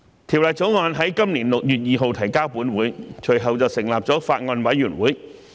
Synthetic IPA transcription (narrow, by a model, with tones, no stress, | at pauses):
t̪ʰi˨˩wlaː˨˩t͡so˨˥wŋɔː˧nɦɐ˨˥jkɐ˥mniː˨˩nlʊ˨k̚jyː˨t̚jiː˨ɦo˨wt̪ʰɐ˨˩jkaː˥wpuː˨˥nwuː˨˥jt͡ʃʰɵ˨˩jɦɐ˨wt͡sɐ˨wsɪ˨˩ŋlaː˨p̚t͡sɔː˨˥faː˧t̚ŋɔː˧nwɐ˨˥jːyː˨˩nwuː˨˥j